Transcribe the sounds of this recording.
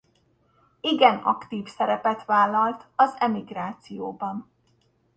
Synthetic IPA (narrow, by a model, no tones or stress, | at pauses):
iɡɛnɒ̰kt̪iːfsɛɾɛpɛt̪ʋaːlːɒlt̪ɒzɛmiɡɾaːt̪sijoːbɒn